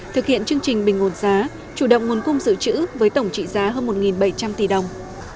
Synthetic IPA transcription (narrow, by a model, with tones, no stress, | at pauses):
t̪ʰɨ˨˩k̚hḭ˧˨ənt͡ɕɨ˧əŋt͡ɕï˨˩ŋ̟ɓï˨˩ŋŋo˨˩nzaː˨˦ | t͡ɕu˧˩ɗə̰˧˨wŋ͡mŋu˨˩ənkʊ˧ŋ͡mzɨ̰˧˨t͡ɕɨ̰˧˥vəː˨˦jt̪ə˧˩wŋ͡mt͡ɕḭ˧˨zaː˨˦ɦəː˧nmo˨˩t̚ŋi˨˩nɓə˧˩jt͡ɕa˧mt̪i˧˩ɗə˨˩wŋ͡m